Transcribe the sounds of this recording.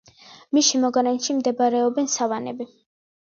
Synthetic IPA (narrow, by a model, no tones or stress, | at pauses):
miʃimɔɡaɾɛnʃimd̪ɛbaɾɛɔbɛnsavanɛbi